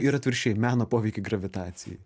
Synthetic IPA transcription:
iɾɐt̪ʲʋʲɪɾʲʃʲɛjmʲæːnoːpoːʋʲɛɪkʲɪɡɾɐʋʲɪt̪ɑːt̪sʲɪ̰jɛ̰

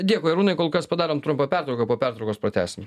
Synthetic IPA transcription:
d̪ʲiɛkʊːɾuːnɐɪkoːlˠkɐspɐd̪ɑːɾoːmt̪ɾʊmpɐpʲæɾt̪ɾɐʊkɐpoːpʲæɾt̪ɾɐʊkoːspɾɐt̪ʲæ̰ːsʲɪm

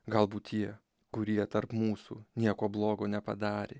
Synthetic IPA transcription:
ɡɐlˠbuːt̪tʲiɛ | kʊɾʲiɛt̪ɐɾpmuːsṵːnʲiɛkoːblˠoːɡoːnʲɛpɐ̰d̪ɑːɾʲe

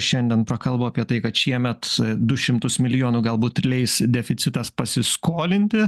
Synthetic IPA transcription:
ʃʲɛnʲd̪ʲiɛnpɾɐkɐlˠboːɐpʲiɛt̪ɐɪkɐt̪ʃʲiɛmʲɛt̪d̪ʊʃʲɪmt̪ʊsmʲɪlʲɪjoːnuːɡɐlˠbuːt̪ʲɪlʲɛɪsd̪ʲɛfʲɪt̪sʲɪt̪ɐspɐsʲɪskoːlʲɪnʲt̪ʲɪ

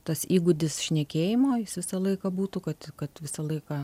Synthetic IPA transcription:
t̪ɐsiːɡʊd̪ʲɪsʃʲnʲɛkʲeːjɪmoːjɪsʋʲɪsɐlˠɐɪkɐbuːt̪ʊkɐt̪kɐt̪ʋʲɪsɐlˠɐɪkɐ

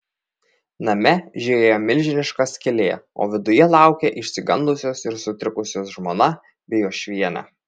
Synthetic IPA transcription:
nɐmʲɛʒʲeeːjoːmʲɪlʲʒʲɪnʲɪʃkɐskʲɪlʲeːo̰ːʋʲɪd̪ʊjɛlˠɑˑʊkʲeʔɪʃʲsʲɪɡɐnˑd̪lˠʊsʲoːsɪɾsʊt̪ʲɾʲɪkʊsʲoːsʒmoːnɐ | bʲɛjoːʃʲʋʲiɛnʲɑ̰

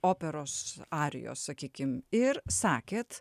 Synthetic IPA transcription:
oːpʲɛɾoːsɑːɾʲɛ̰jo̰ːssɐkʲiːkʲɪmɪɾsɑːkʲeːt̪

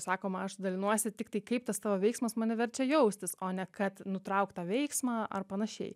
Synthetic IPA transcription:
sɑːkoːmɐɐʃd̪ɐlʲɪnuɔsʲɪtʲɪkt̪ɐɪkɐɪp̚t̪ɐst̪ɑːʋoːʋʲɛɪksmɐsmɑːnʲɪʋʲɛɾʲt͡ʃʲɛjɛʊsʲt̪ʲɪsoːnʲɛkɐt̪nʊt̪ɾɐʊkt̪ɑːʋʲɛɪksmɑːʔɐ̰rpɐnɐʃʲɛ̰ɪ

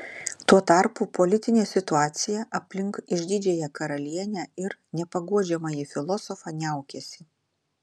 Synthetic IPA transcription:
t̪uɔt̪ɐɾpupɔlʲɪt̪ʲɪnʲeːsʲɪt̪ʊɑːt̪sʲɪjɛʔɐpʲlʲɪŋkɪʒʲd̪ʲɪd͡ʒʲɛjɛkɐɾɐlʲiɛnʲæɪɾnʲɛpɐɡuɔd͡ʒʲɛmɐjifʲɪlˠɔsɔfɑnʲɛˑʊkʲɛsʲɪ

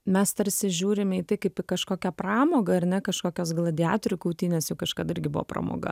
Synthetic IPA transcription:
mʲɛst̪ɐɾsʲɪʒʲuːɾʲɪmʲiːt̪ɐɪkɐɪpɪkɐʃkoːkʲɛprɑːmoːɡɐɐɾnʲɛkɐʃkoːkʲoːsɡlˠɐd̪ʲɪɑ̰ːt̪ɾʲʊkɐʊt̪ʲiːnʲeːsjɛʊkɐʃkɐt̪ɪɾʲɡʲɪbʊʋo̰pɾɐ̰mo̰ːɡɐ̰

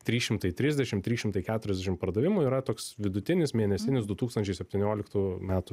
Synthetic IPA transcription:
t̪ʲɾʲiːsʃʲɪmt̪ɐɪt̪ʲɾʲɪzʲd̪ʲɛʃʲɪmt̪ʲɾʲiːʃʲɪmt̪ɐɪkʲæːt̪ʊɾʲɛzʲd̪ʲɛʃʲɪmpɐɾd̪ɐʋʲɪmuːiːɾɐt̪oːksʋʲɪd̪ʊt̪ʲɪnʲɪsmʲiɛnʲɛsʲɪnʲɪsd̪ʊt̪uːkst̪ɐnʲt͡ʃʲɛɪsʲɛpʲt̪ʲɪnʲoːlʲɪkt̪uːmʲæːt̪ʊ

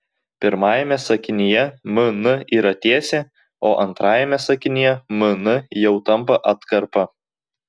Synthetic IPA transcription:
pʲɪɾmɑːjɛmʲɛsɐkʲɪnʲɪjɛmʊnʊiːɾɐt̪ʲiːsʲeː | oːʔɐnt̪ɾɑːjɛmʲɛsɐkʲɪnʲɪjɛmʊnʊjɛʊt̪ɐmˑpɐʔɐt̪kɐɾpɐ

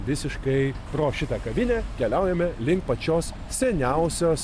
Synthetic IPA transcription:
ʋʲɪsʲɪʃkɐɪpɾoːʃʲɪt̪ɐkɐʋʲɪnʲæːkʲɛlʲɛʊjɛmʲɛlʲɪŋk̚pɐt͡ʃʲoːs | sʲɛnʲɛʊsʲoːs

